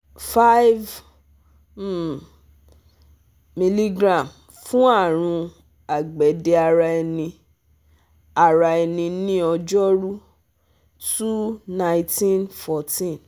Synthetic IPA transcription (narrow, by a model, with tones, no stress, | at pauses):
fa˦jv | mi˧li˦ɡɾã˨m | fũ˦a˦˨ɾ̃ũ˧ | a˨ɡ͡bɛ˨˦de˧a˧ɾa˧ɛ˧nĩ˧ | a˨ɾa˧ɛ˧nĩ˧nĩ˦ɔ˧d͡ʒɔ˦ɾu˦ | tu˦nã˦ĩ˦tĩ˦nfɔ˨tĩ˦˨n